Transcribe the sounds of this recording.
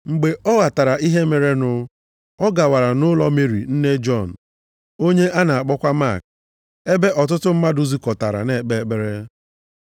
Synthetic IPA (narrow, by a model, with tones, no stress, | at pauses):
ŋ͡m̩˨ɡ͡be˨ʔɔ˦ɣa˨ta˨ɾa˨ʔi˦ɦe˦me˨ɾe˦nʊ˦ | ɔ˦ɡa˨wa˨ɾa˨nʊ˦lɔ˦me˦˨ɾḭ˨n̩˦ne˦d͡ʒɔ˦˨n̩˨ | o˦ɲe˦ʔa˦na˨a˨k͡pɔ˦kʷa˦ma̰˦˨k̚ | e˦be˦ʔɔ˨t̬ʊ˦tʊ˦m̩˦ma˦du˦zi˦kɔ˨ta˨ɾa̰˨ne˨k͡pe˨k͡pe˦ɾe˦